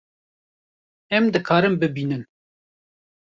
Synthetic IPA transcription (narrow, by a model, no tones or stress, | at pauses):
ɛmd̪ɨkʰɑːɾɨmbɨbiːnɨn